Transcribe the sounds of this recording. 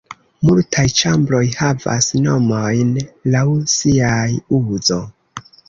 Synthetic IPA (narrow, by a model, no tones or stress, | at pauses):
multʰajt͡ʃambɾo̞jhava̰sno̞mojnlawsiajuzo̞